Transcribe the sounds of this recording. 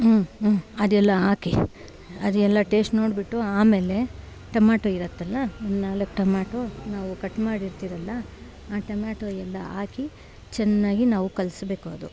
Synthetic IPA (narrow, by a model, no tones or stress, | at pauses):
ɐd̪ɛlːɐaːki | ɐd̪uɛlːɐʈe̞ːsʈno̞ːɽbiʈːuaːmeːle̞ | ʈɐmaːʈoiɾɐt̪ːɐlːɐɐnnaːlɐkːʈɐmaːʈonaːʋukɐʈːmaːɽiɾt̪iːɾɐlːɐ | aːʈɐmaːʈoːɛlːɐaːki | t͡ʃɛnːaːɡinaːʋukɐlsbe̞ːkuɐd̪u